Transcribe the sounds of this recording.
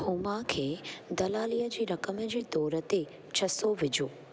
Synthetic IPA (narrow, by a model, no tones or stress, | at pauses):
humakʰed̪ɐlaːlijəd͡ʒiɾəkəməd͡ʒid̪oːɾət̪e | t͡ʃʰəsoʋɪd͡ʒoː